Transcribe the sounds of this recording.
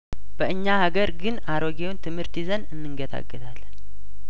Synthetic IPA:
b̥əɨɲːahaɡəɾɡɨnaɾoɡewnt̪ʰɨmhɨɾt̪ʰizənɨnːɨŋɡət̪ʰa̰ɡːət̪ʰalːən

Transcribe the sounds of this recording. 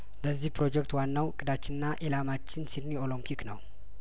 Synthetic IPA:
bəzːihpɾo̞d͡ʒɛk̚t̪wanːawkʼɨd̪at͡ʃːɪnɨnːaʔelamat͡ʃːɪnsinnːiolumkʰiknəw

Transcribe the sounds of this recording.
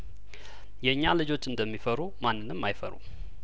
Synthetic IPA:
jɛɨɲːalɨd͡ʒo̞t͡ʃːɨnd̪əmːifəɾumanːɨnːɨmːajfə̰ɾṵ

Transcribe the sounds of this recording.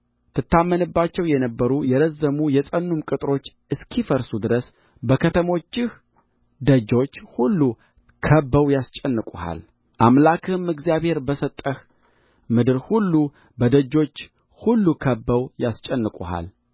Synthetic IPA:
t̪ʰɨt̪ʰːamːənɨbːat͡ʃːɛwjɛnəbːəɾujɛɾəzːəmujɛsʼənːumkʼɨt̪ʼɾo̞t͡ʃː | ɨskʰifəɾsud̪ɨɾəs | bəkʰət̪ʰəmo̞t͡ʃːɪh | d̪əd͡ʒo̞t͡ʃːhulːu | kʰəbːəwjast͡ʃʼɛnːɨkʼuha̰l | ʔamlakʰɨɨmɨɡzijaβhe̞ɾbəsət̪ʼːəh | mɨd̪ɨɾhulːu | bəd̪əd͡ʒːo̞t͡ʃː | hulːukʰəbːəwjast͡ʃʼɛnːɨkʼuha̰l

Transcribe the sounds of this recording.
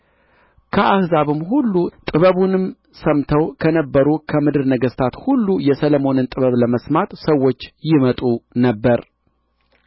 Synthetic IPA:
kʰəʔahzaβɨmɦulːut̪ʼɨβəβunɨm | səmt̪ʰəwkʰənəbːəɾukʰəmɨd̪ɨɾnəɡəst̪ʰat̪hulːujɛsələmo̞nɨnt̪ʼɨβəβləməsmat̪səwːo̞t͡ʃːjɪmət̪ʼunəbːəɾ

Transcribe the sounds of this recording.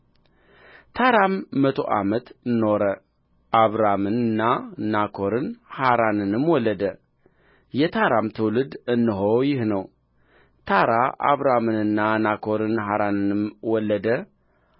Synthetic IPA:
t̪ʰaɾamːət̪ʰo̞̰ʔa̰mət̪ɨnːo̞ɾə | ʔaβɾamɨnɨnːanakʰo̞ɾɨnhaɾanɨnɨmːwɔlːəd̪ə | jɛt̪ʰaɾamt̪ʰɨwlɨd̪ɨnːɨɦojɪhnəw | t̪ʰaɾaʔa̰βɾamɨnɨnːanakʰo̞ɾɨnɦaɾanɨnɨmwɔlːəd̪ə

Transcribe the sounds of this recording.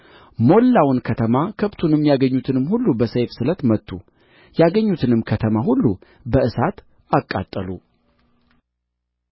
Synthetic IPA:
mo̞lːawʊnkʰət̪ʰəmakʰəβt̪ʰunɨmjaɡəɲːut̪ʰɨnɨmhulːubəsəjfsɨlət̪mət̪ʰːṵ | jaɡəɲːut̪ʰɨnɨmkʰət̪ʰəmaɦulːu | bəʔɨsat̪ | akʼːa̰t̪ʼːəlu

